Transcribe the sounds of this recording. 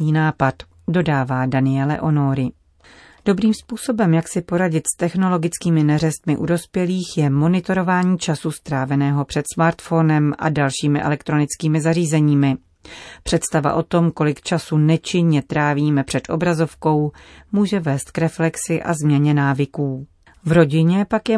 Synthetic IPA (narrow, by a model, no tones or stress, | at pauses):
iːnaːpat̪ | do̞daːvaːdanɪɛlɛ̰ʔo̞no̞ɾɪ | d̥o̞bɾiːmspuːso̞bɛmjaksɪpo̞ɾaɟɪt̪st̪ɛxno̞lo̞ɡɪt͡skiːmɪnɛrɛst̪mɪʔudo̞spjɛliːxjɛmo̞nɪt̪o̞ɾo̞vaːɲiːt͡ʃasust̪ɾaːvɛnɛːɦo̞pr̝̥ɛt̪smaːɾt̪fo̞nɛmʔa̰dalʃiːmɪʔɛ̰lɛkt̪ɾo̞nɪt͡skiːmɪzariːzɛɲiːmɪ | pr̝̥ɛt̪st̪ava̰ʔo̞t̪o̞mko̞lɪkt͡ʃasunɛt͡ʃɪɲɲɛt̪ɾaːviːmɛpr̥ɛt̪ʔo̞̰bɾazo̞fko̞wmuːʒɛvɛːst̪̚kɾɛflɛksɪʔa̰zmɲɛɲɛnaːvɪkuː | vɾo̞ɟɪɲɛpakjɛ